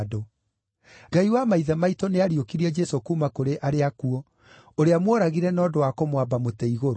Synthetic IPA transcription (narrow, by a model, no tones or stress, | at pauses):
do | ɡaiwamaiðamaitɔneaɾiokiɾiɛd͡ʒɛsokumakoɾeʔaɾeakuɔ | oɾeamwɔɾaɣiɾɛnɔːdowakomwabamotɛiɣoɾo